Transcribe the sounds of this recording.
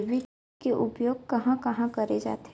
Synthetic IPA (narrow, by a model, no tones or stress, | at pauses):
ʋɪ | keʔʊpjoːɡ̚kɐɦãkɐɦãkɐɾed͡ʒa̰ːt̪